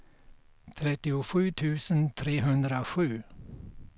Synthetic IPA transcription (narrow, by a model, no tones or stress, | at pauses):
t̪ʰɾɛt̪ːɪʊɧʉ̟ːt̪ʰʉ̟ːsənt̪ʰɾeːɦɵnd̪ɾaɧʉ̟ː